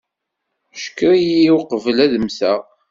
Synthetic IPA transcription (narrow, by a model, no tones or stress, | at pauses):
ʃkːəɾijiwqəvəlæðəmsæʁ